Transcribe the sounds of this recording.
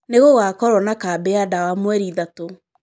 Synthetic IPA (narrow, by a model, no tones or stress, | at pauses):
neɣoɣakɔɾwɔnakabɛadawamwɛɾiðato